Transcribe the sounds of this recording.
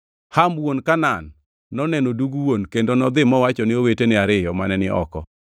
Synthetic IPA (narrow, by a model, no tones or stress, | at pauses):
hamwonkananː | ɔnɛnoduɡuwonkendonɔd̪ɪmɔwat͡ʃɔnɪowetenɪaɾɪjɔmanɛnɪʔɔ̰kɔ